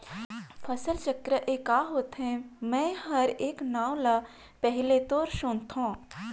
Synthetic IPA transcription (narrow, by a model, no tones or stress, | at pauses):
fʰɐsəlt͡ʃəkɾəʔeːkaːɦoːt̪ɦɛ̃mɛ̃ːɦɐɾeːknãːʊla | pɛɦɪlet̪oːɾʃʊnt̪õː